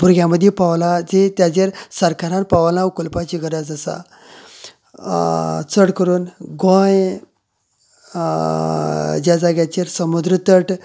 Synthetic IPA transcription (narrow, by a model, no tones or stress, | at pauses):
puɾɡʲjãməd̪ʱjepaʋlad͡zet̪jad͡ʑeɾsəɾkaɾãnpaʋlãwkulpat͡ɕiɡʱəɾad͡zəsa̰ | t͡səɽkəɾuːnɡõj | d͡ʑad͡zaɡjat͡ɕeɾsəmud̪ɾət̪əʈ